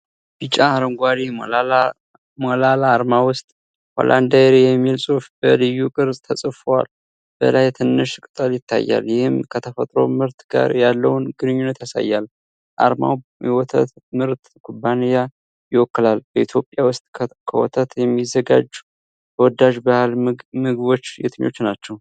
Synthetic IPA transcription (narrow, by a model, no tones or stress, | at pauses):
b̥it͡ʃʼːaaɾəŋɡʷaɾi | molalaːɾmawʊst̪ʼ | ho̰lʔand̪aɾejɛmːilsʼufbəlɨjukʼɨɾzʼt̪ʰəsʼɨfwa̰l | b̥ə̰lajt̪ʰɨnːɨʃkʼɨt̪ʼəljɪt̪ʰːa̰jːa̰ljɪhɨmkʰət̪ʰəfət̪ʼɾo̞̰mɨɾt̪ɡa̰ɾjalːəwnɡɨnɨɲːunːət̪jasa̰jːal | ʔa̰ɾma̰wjɛwɔt̪ʰə̰t̪mɨɾt̪ | kʰubːanija | jɪwɔkːɨlalb̥əit̪ʰjo̞pʼjawʊst̪ʼʰkʰəwɔ̰t̪ʰət̪jɛmːizːəɡa̰d͡ʒu | b̥əwɔd̪aʒbahlmɨɡɨβo̞t͡ʃːjɛ̰t̪ʰɨɲo̞̰t͡ʃːnat͡ʃːɛw